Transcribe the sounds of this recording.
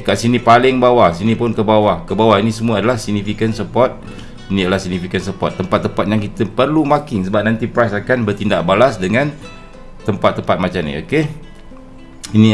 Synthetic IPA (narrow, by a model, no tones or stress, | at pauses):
kaʔsinipalɪŋbawasinĩpʊnkəbawahkəbawainĩsəmuaːdalahsiɡ̚nifikənsəpɔrt̪̚ | inĩadalahsiɡ̚nifikənsəpɔ̰t̪ːəmpat̪ːəmpat̪̚jaŋkit̪əpərlumakɪŋsəbap̚nãnt̪ipɾajsakanbərt̪indaʔ̚balasdəŋãn | t̪əmpat̪ːəmpat̪̚mat͡ʃamnḭo̰ke | ini